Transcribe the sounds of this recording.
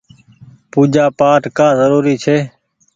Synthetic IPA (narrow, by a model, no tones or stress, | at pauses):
puːd͡ʒaːpaːʈkaːzəɾuːɾiːt͡ʃʰeː